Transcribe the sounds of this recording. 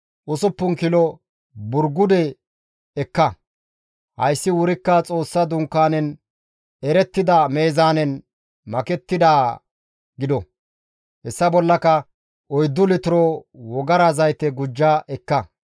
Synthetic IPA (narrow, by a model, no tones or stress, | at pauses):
ʔʊsʊpːʊŋkɪlɔ | bʊɾɡʊd̪ɛ | ɛkːɐ | hɐ̰jsːɪwʊɾɪkːɐt͡sʼo̞ːsːɐd̪ʊŋkːaːnɛn | ɛɾɛt̪ːɪd̪ɐme̞ːzaːnɛn | mɐkɛt̪ːɪd̪aː | ɡɪd̪ɔ | hɛsːɐbɔlːɐkɐ | ʔɔjd̪ːʊlɪt̪ʊɾɔwɔɡɐɾɐzɐjt̪ːɛɡʊd͡ʒːɐʔɛkːɐ